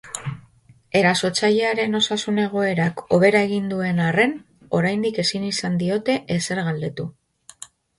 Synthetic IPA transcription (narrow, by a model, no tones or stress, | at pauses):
e̞ɾaso̞t͡saʎe̞aɾe̞no̞sasune̞ɣ̞o̞e̞ɾako̞β̞e̞ɾae̞ɣ̞ind̪ue̞nare̞n | o̞ɾajnd̪ike̞sinisand̪io̞t̪e̞ʔese̞ɾɣald̪e̞t̪u